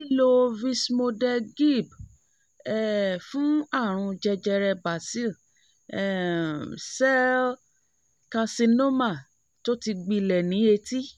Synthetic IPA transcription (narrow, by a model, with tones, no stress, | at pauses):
i˦lo˧vi˧smo˧dɛ˧ɡi˦˨b | ɛ˨fũ˨˦a˦˨ɾ̃ũ˧d͡ʒɛ˧d͡ʒɛ˧ɾɛ˧ba˨si˦l | ɛ˦˨ | sɛ˦l | ka˧si˧no˦ma˦˨ | to˦ti˧ɡ͡bi˧lɛ˨nĩ˨˦e˧ti˦